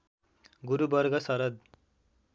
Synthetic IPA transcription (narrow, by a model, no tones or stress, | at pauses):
ɡuɾubʌɾɡʌsʌɾʌd̪̚